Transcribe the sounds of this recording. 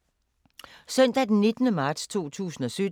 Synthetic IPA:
sœn̰d̥æd̥enːe̝d̥nəmɑ̈ːd̥st͡sʰo̝̰ːt͡sʰṵːsn̩ɒ̽sød

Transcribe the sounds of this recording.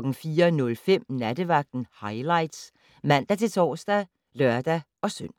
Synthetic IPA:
ɡ̥n̩fiːɐnɔ̽lfem̰næd̥əʋɑ̈ɡ̥̚d̥n̩hɑ̈ɪlɑ̈ɪd̥s | mæn̰d̥æt͡sʰe̝lt͡sʰɒ̰ːsd̥æ | lœɐd̥æ | ɒ̽søn̰

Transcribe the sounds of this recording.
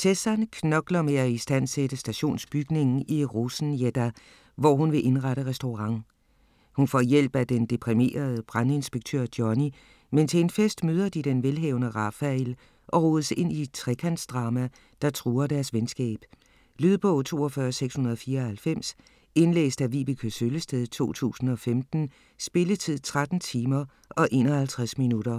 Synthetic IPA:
t͡sʰesænkʰnɒ̽ɡ̥lɐmeæisd̥æn̰sed̥əsd̥æɕo̝̰ːnsb̥yɡ̥ne̝ŋn̩ʔiʁusn̩jed̥æ | ʋɒɦunʋe̝ʔe̝nʁɑɾəʁɛsd̥oʁɑ̈ŋ̰ | hunfɒ̰ːjel̰b̥æd̥end̥e̝pʰʁime̝̰ːɐð̞ˠəb̥ʁane̝nsb̥eɡ̥̚t͡sʰø̰ɐd̥jɒni | ment͡sʰe̝enfesd̥møːð̞ˠɐd̥id̥enʋelɦɛ̰ːʊnəʁɑ̈fæel | ʔɒ̽ʁuð̩ˠəse̝n̰it͡sʰʁɛkʰænsd̥ʁɑ̈mæ | d̥ɑ̈t͡sʰʁuːɐd̥æɐsʋensɡ̥ɛ̰ːb̥ | lyðˠb̥ɔ̽ʊt͡sʰo̝̰ːɒ̽fɶɐseɡ̥shunɐð̞ˠɒfiːɐhælfem̰s | e̝nlḛːsd̥æʋiːb̥əkʰøsøləsd̥eðˠt͡sʰo̝̰ːt͡sʰṵːsn̩ɒ̽femd̥n̩ | sb̥e̝lət͡sʰið̞̰ˠt͡sʰʁad̥n̩t͡sʰiːmɐ | ɒ̽ʔe̝ːnɒ̽hælt͡sʰʁasminuɾɐ

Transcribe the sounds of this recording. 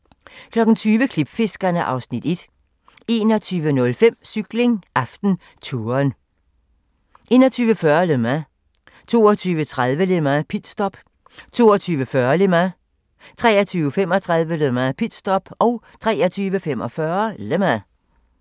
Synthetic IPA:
kʰlɒ̽ɡ̥n̩t͡sʰyːʋəkʰlib̥fe̝sɡ̥ɐnəʔɑ̈ʊsnid̥e̝d̥ | e̝ːnɒt͡sʰyːʋənɔ̽lfem̰syɡ̥le̝ŋɑfd̥n̩ | t͡sʰuːɐn | ʔe̝̰ːnɐt͡sʰyːʋəfɶɐlømæ | t͡sʰo̝̰ːɒt͡sʰyːʋət͡sʰʁaðˠʋəlemæpʰid̥sd̥ɒb̥ | t͡sʰo̝̰ːɒt͡sʰyːʋəfɶɐlemæ | t͡sʰʁɛːɐt͡sʰyːʊəfem̰ɒt͡sʰʁað̞ˠʋəlømæpʰid̥sd̥ɒb̥ɒʊ | t͡sʰʁɛ̰ːɐt͡sʰyːʋəfem̰ɒ̽fɶɐlemæ

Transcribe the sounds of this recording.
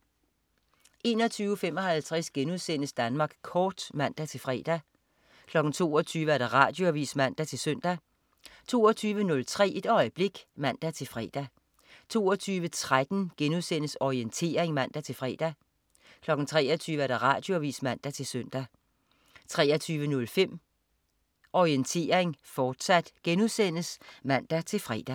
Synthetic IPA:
ʔe̝ːnɒ̽t͡sʰyːʊəfem̰ɒ̽ɦælt͡sʰʁasɡ̥enuðˠsen̰əsd̥ænmɑ̈ːɡ̥kʰɒːd̥mæn̰d̥æt͡sʰe̝lfʁɛ̰ːd̥æ | kʰlɒ̽ɡ̥n̩t͡sʰo̝̰ːɒt͡sʰyːʋəæɐɾ̥ɑ̈ʁɑ̈ːd̥jo̝æʋḭːsmæn̰d̥æt͡sʰe̝lsøn̰d̥æ | t͡sʰo̝̰ːɒt͡sʰyːʋənɔ̽lt͡sʰʁɛ̰ːed̥ɒ̽ɪəb̥le̝ɡ̥mæn̰d̥æt͡sʰe̝fʁɛ̰ːd̥æ | t͡sʰo̝̰ːɒt͡sʰyːʋət͡sʰʁad̥n̩ɡ̥enuðˠsen̰əsɒient͡sʰe̝̰ːɐeŋmæn̰d̥æt͡sʰe̝lfʁɛ̰d̥æ | kʰlɒ̽ɡ̥n̩t͡sʰʁɛ̰ːɐt͡sʰyːʋəæɐɾ̥ɑ̈ʁɑ̰̈d̥jo̝æʋḭːsmæn̰d̥æt͡sʰe̝lsøn̰d̥æ | t͡sʰʁɛːɐt͡sʰyːʋənɔ̽lfem̰ | ʔɒient͡sʰe̝̰ːɐʁeŋfɒːd̥sæd̥ɡ̥enuðˠsen̰əsmæn̰d̥æt͡sʰe̝lfʁɛ̰ːd̥æ

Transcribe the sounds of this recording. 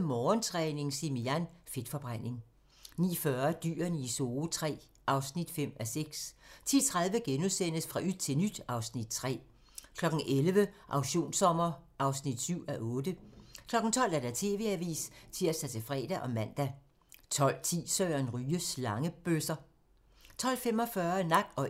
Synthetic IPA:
mɒːnt͡sʰʁɛːne̝ŋsimiænfe̝d̥fɒ̽b̥ʁan̰e̝ŋ | nḭːfɶɐd̥y̰ːɐniso̝ːt͡sʰʁɛ̰ː | ʔɑ̈ʊsnid̥fem̰æseɡ̥st͡sʰḭːt͡sʰʁäðˠʋəɡ̥enuðˠsen̰əsfʁɑ̈ʔyð̥t͡sʰe̝lnyd̥ɑ̈ʊsnid̥̚t͡sʰʁɛ̰ː | kʰlɒ̽ɡ̥n̩ʔelʋəʔɑ̈ʊɕo̝̰ːnsɒ̽m̰ɐʔɑ̈ʊsnid̥syʊ̰æʔɔ̽ːd̥əkʰlɒ̽ɡ̥n̩t͡sʰɒ̽l̰æɐd̥æt͡sʰe̝̰ːʋe̝æʋḭːst͡sʰiɐsd̥æt͡sʰe̝fʁɛ̰ːd̥æʔɒ̽mæn̰d̥æ | t͡sʰɒ̽l̰t͡sʰḭːsœːɐnʁyːəslɑ̈ŋəb̥øsɐ | t͡sʰɒ̽l̰fem̰ɒ̽fɶɐnɑ̈ɡ̥d̥ɒ̽

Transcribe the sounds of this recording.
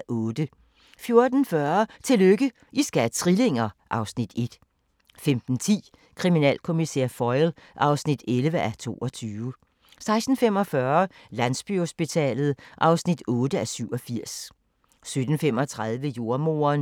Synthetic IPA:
ʔɔ̽ːd̥ə | fjo̝ɐd̥n̩fɶɐt͡sʰe̝løɡ̥ə | ʔisɡ̥æt͡sʰʁile̝ŋ̰ɐʔɑ̈ʊsnid̥e̝d̥ | femd̥n̩t͡sʰḭː | kʰʁiminɛ̰ːlkʰo̝misḛɐfɒɪlʔɑ̈ʊsnid̥elʋəʔæɐt͡sʰo̝̰ːɒ̽t͡sʰyːʋə | sɑ̈ɪsd̥n̩fem̰ɒ̽fɶɐɐlæn̰sb̥yho̝sb̥it͡sʰɛ̰ːlð̩ˠʔɑ̈ʊsnid̥ɔ̽ːd̥əæsyʊ̰ɒ̽fiɐ̰s | sød̥n̩fem̰ɒ̽t͡sʰʁað̞ˠʋəjo̝ɐmo̝̰ːɐn

